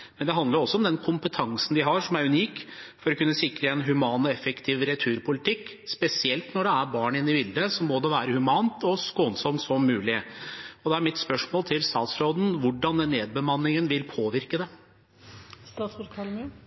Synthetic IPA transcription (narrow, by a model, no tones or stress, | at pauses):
mɛnd̪ɛɦɑnd̪ləɾɔsːɔɔmd̪ɛnkʰʊmpət̪ʰɑŋsn̩d̪ɪɦɑʂɔmæɾʉniːkfɔɾɔkʉnːəsɪkɾəɛnɦʉmɑːnɔɛfːəkt̪ʰɪːʋɾɛt̪ʰʉːɾpʰʊlɪt̪ɪkː | spɛsɪɛlt̪nɔɖɛæɾbɑːɳɪnːɪbɪld̪əsɔmɔd̪ɛʋæːɾəhʉmɑːnt̪ɔskoːnsɔmt̪sɔmːʉːlɪɔd̪ɛæɾmɪt̪spœʂmoːlt̪ʰɪlst̪ɑːt̪sɾoːd̪n̩ʋʊɖɑnd̪ɛnːeːd̪̚bəmɑnːɪŋənʋɪlpʰoːʋɪɾkəd̪ɛ